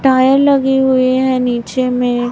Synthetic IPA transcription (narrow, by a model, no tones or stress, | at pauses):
ʈaːjəɾlɐɡiɦʊeɦɛ̃niːt͡ʃemẽ